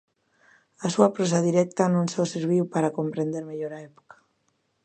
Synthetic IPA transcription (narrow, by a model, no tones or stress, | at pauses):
asuapɾos̬aðiɾɛk̚t̪anõŋsɔseɾβ̞iwpaɾakompɾẽnd̪eɾmeʎoɾaɛpo̥kḁ